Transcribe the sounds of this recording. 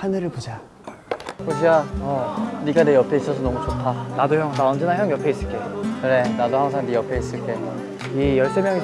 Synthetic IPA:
hanɯɾɯɭpod͡ʑa | koɕʰiaʌniɡanejʌpʰe̞is͈ʌsʰʌnʌmut͡ɕʰotʰanadojʌŋnaʌnd͡ʑenaɦjʌŋjʌpʰeis͈ɯɭk͈e̞oɯne̞nadoɦhaŋsʰaŋnijʌpʰe̞is͈ɯɭk͈e | ijʌɭs͈e̞mjʌŋi

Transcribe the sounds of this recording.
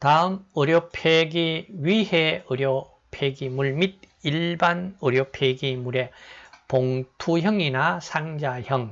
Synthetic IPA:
taɯmɯɾjopʰeɡiɥiheɯɾjo | pʰeɡimuɭmid̚iɭbanɯɾjopʰeɡimuɾe̞poŋtʰuçjʌŋinasʰaŋd͡ʑaçʌŋ

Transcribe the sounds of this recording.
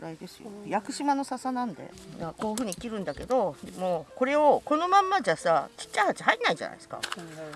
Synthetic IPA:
ɯɾaid̪e̞sɨjo̰jakɯ̟ɕimano̞sasanãnd̪e̞̰nakoːɯɸɯ̟ːɲ̟ikʲiɾɯ̟̃nd̪ake̞d̪o̞d̪emoːko̞ɾe̞o̞ko̞no̞mãmːaʑasat͡ɕi̥tt͡ɕːahat͡ɕi̥hainːaiʑa̰na̰i̥sɨ̥ka̰

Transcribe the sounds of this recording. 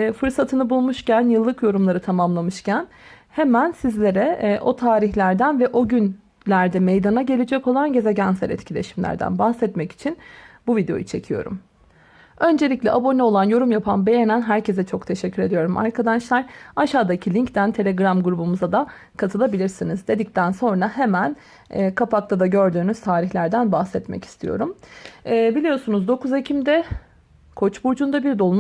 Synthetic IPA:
fɯɾsat̪ʰɯnɯbulˠmuʃcʰænjɯlˠːɯkjo̞ɾumlˠaɾɯt̪ʰamamlˠamɯʃcʰæn | hemænsizlʲe̞ɾɛʔo̞t̪ʰaːɾiçlʲæɾd̪ænvɛʔo̞ɟyn | lʲæɾd̪ɛme̞jd̪anaɟe̞lʲed͡ʒɛko̞lˠanɟe̞zɛɟænsæ̰ɾɛ̰t̪cʰilʲe̞̰ʃimlʲæ̰ɾd̪æ̰nbahsɛt̪mɛci̥t͡ʃʰinbuvid̪eo̞̰jut͡ʃʰe̞cʰijo̞̰ɾṵm | ø̞nd͡ʒe̞lʲicʲlʲɛʔabo̞nɛo̞lˠanjo̞ɾumjapʰanbe̞jenænɦæɾcʰe̞zɛt͡ʃʰo̞kt̪ʰe̞ʃɛcʰːyɾe̞d̪ijo̞ɾumʔa̰ɾkʰad̪aʃlˠaɾaʃaːd̪acʰilʲiɲct̪ænt̪ʰe̞lʲeɡɾamɡuɾubumuzad̪a | kʰat̪ʰɯlˠabilʲiɾsinizd̪e̞d̪ic̚t̪ʰænso̞nɾahe̞mænː | kʰapʰak̚t̪ʰad̪aɟø̞ɾd̪yːnyz̥t̪ʰaːɾiçlʲæɾd̪ænbahsɛt̪mɛ̰ci̥st̪ʰijo̞̰ɾumɛːbilʲijo̞ɾsunuzd̪o̞kuzecʰimd̪ɛ | kʰo̞t͡ʃbuɾd͡ʒund̪abiɾd̪olˠm

